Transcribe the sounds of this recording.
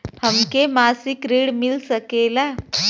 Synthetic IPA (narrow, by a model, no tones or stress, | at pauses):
həmkemasikɾiːɽmilsəkela